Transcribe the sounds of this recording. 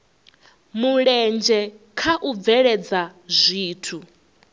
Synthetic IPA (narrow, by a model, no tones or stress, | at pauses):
muɺɛnd͡ʒɛkʰaʔub̪vɛɺɛd͡zazʷiːtʰu